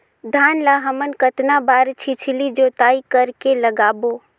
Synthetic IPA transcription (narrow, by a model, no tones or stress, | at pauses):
d̪ʱaːnlaɦəmənkət̪nabaɾt͡ʃʰit͡ʃʰlid͡ʒot̪aːikəɾkeləɡaːbo